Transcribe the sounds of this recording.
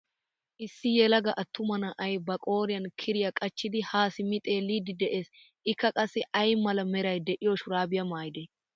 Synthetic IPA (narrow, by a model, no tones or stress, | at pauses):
ʔɪsːɪjɛlɐɡɐʔɐt̪ːʊmɐnɐʔɐjbɐkʼo̞ːɾɪjɐnkʰɪɾɪjɐkʼɐt͡ʃːɪd̪ɪhaːsɪmɪt̪ʼe̞ːliːd̪ɪd̪ɛʔeːs | ɪkːɐkʼɐsːɛʔɐjmɐlɐmɛɾɐjd̪ɛʔɪjɔʃʊɾaːbɪjɐmaːjɪd̪e